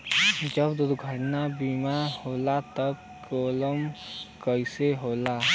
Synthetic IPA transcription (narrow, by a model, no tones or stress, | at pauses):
d͡ʒəbd̪ʊd̪ɡʱəʈnabimahoːlat̪əb | koːləmkəɪseɦoːlaː